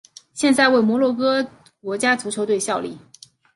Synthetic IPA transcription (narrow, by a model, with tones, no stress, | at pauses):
ɕjɛ˥˧nt͡sa˥˧ɪwe˥˩ɪmwɔ˧˥lwɔ˥˩kɤ˥ | k̚wɔ˧˥t͡ɕja˥t͡su˧˥t͡ɕʰjo˧˥ʊt̪we˥˧ɪɕjɑ˥˧ʊlḭ˥˩